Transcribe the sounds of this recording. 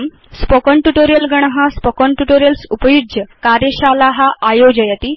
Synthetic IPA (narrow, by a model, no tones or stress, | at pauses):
m | spɔkɔɳʈuʈoɾijəlɡəɽ̃ɦaspɔkɔɳʈuʈoɾjəlsupəjud͡ʑjəkaɾjəɕalaɦaʔajod͡ʑəjat̪i